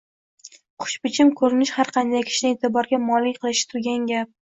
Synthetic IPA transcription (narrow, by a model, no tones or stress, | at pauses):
χʊ̥ʃpɪt͡ʃʰɪmkʰɵɾɪnɪʃhaɾqʰɑnd̪ajkʲʰɪ̥ʃɪnɪet̪ʰɪbɒɾɡʲamɒlɪkʲqʰɨlˠɪʃɪ̥t̪ʰʊɾɡʲanɡʲap̚